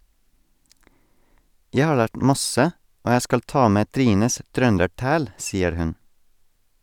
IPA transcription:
ˈjæɪ ˈhɑː ˈɭæːʈ m ˈmɑsə ˈoː ˈjæɪ ˈskɑl ˈtɑː ˈmeː ˈtɾiːnəs ˈtɾœndəˌʈæːl ˈsiːəɾ ˈhʉn

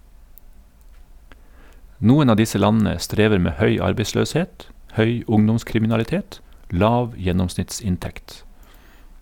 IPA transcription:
ˈnuːən ˈɑː ˈdɪsə ˈlɑnn̩ə ˈstɾeːʋəɾ ˈmeː ˈhœʏ ˈɑɾbeɪsløːsˌheːt ˈhœʏ ˈʊŋdʊmskɾɪmɪnɑlɪˌteːt ˈlɑːʋ ˈjɛnɔmsnɪtˌsɪnˌtɛkt

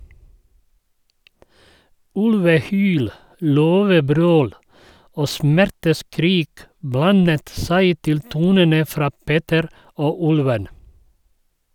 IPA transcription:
ˈʉlʋəˌhyːl ˈløːʋəˌbɾøːl ˈoː ˈsmæɾtəˌskɾiːk ˈblɑnət ˈsæɪ ˈtɪl ˈtuːnənə ˈfɾɑː ˈpeːtəɾ ˈoː ˈʉlʋən

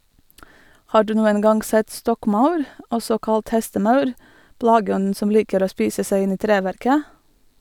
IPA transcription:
ˈhɑː ˈɖʉː ˈnuːən ˈɡɑnɡ ˈsɛt ˈstɔkˌmaʊɾ ˈɔsɔ ˈkɑlt ˈhɛstəˌmɑʉɾ ˈplɑːɡəˌɔnn̩ ˈsɔm ˈliːkəɾ ˈoː ˈspiːsə ˈsæɪ ˈɪn ˈiː ˈtɾeːʋæɾkə

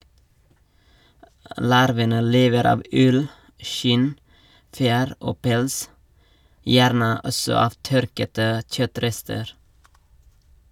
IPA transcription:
ˈlɑɾʋənə ˈleːʋəɾ ˈɑːʋ ˈʉl ˈʃɪn ˈfjæːɾ ˈoː ˈpɛls ˈjæːɾnə ˈɔsɔ ˈɑːʋ ˈtœɾkətə ˈc͡çœˌtɾɛstəɾ

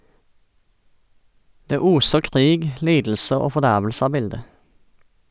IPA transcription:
ˈdeː ˈuːsə ˈkʁiːɡ ˈliːdl̩sə ˈoː fɔˈdæʁʋl̩sə ˈɑː ˈbɪldə

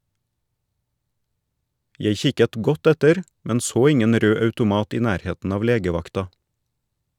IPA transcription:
ˈjeɪ ˈçɪkət ˈɡɔt ˈɛtəɾ ˈmɛn ˈsoː ˈɪŋən ˈɾøː ɑʉtʊˈmɑːt ˈiː ˈnæːɾˌheːtn̩ ˈɑːʋ ˈleːɡəˌʋɑktɑ

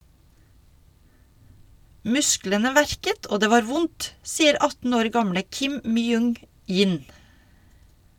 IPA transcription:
ˈmʉsklənə ˈʋæɾkət ˈʔoː ˈdeː ˈʋɑːɾ ˈʋʊnt ˈsiːəɾ ˈɑtn̩ ˈoːɾ ˈɡɑmɽə ˈkɪm ˈmyːˌʊŋ ˈjiːn

